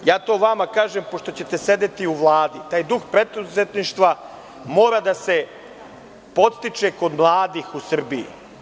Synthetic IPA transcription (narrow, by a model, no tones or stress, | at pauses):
jaːt̪o̞ːʋamakaːʒempo̞ʃt̪o̞t͡ɕe̞t̪e̞se̞d̪e̞t̪iuʋlˠaːd̪it̪aːjd̪uxpɾe̞d̪uzet̪niʃt̪ʋa | mo̞ːɾad̪ase̞ | po̞t̪st̪it͡ʃe̞ko̞d̪mlˠaːd̪iːxusr̩bijṵ